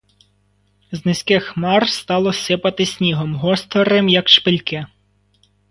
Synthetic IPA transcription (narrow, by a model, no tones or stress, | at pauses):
znɪsʲkɪxmɑrst̪ɑlˠɔsɪpɐt̪ɪsʲnʲiɦɔmɦɔst̪ɔɾɪmjɐkʃpɪlʲkɪ